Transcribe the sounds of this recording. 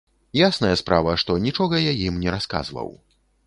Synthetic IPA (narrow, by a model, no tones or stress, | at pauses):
jasnɐjɐspɾavɐʂt̪ɔnʲit͡ʂɔɣɐjajimnʲɛɾaska̰zvɐ̰w